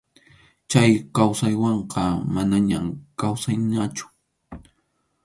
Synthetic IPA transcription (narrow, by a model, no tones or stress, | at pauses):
t͡ʃajkawsajwɑɴqɑmanaɲamkawsajnat͡ʃʊ̥